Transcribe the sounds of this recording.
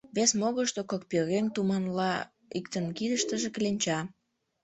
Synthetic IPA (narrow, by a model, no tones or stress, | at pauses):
βesmoɣəʃt̪okok̚pøɾent̪umɑnlɑ | ikt̪ənkid̪əʃt̪əʒeklenʲt͡ɕɑ